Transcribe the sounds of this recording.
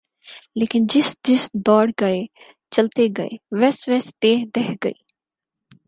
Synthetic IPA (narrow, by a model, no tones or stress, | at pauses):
leːkɪnd͡ʒɪsd͡ʒɪsd̪ɔːɽɡəe | t͡ʃəlt̪eɡəḛʋɛsʋɛst̪eːɦd̪eɦɡəiː